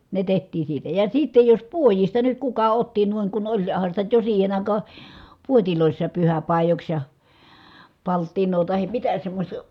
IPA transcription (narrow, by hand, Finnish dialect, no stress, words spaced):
ne tehtˑiːn̞ siːtæ jɑ siːtːej jos puojistɑ nyt kukɑ otːi nuiŋ ku olʲ hɑn̞ sitæ jo siːhen ɑˑikɑː puotiloˑisːɑːp pyhæpɑˑijoks jɑ pɑltːinˑoː tɑhim mitæ semːosʲtɑ